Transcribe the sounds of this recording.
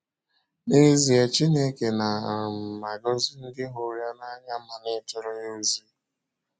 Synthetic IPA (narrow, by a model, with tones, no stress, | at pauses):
ne˦zi˨e˨t͡ʃi˦ne˦ke˨na˨a˨ɾm̩˨ma˨ɡɔ˦zi˦n̩˦dɪ˦ɦo˨ɾja˦na˦ɲa˦ma˨nɪ˦tʊ˦ɾʊ˦ɲo˦zi˦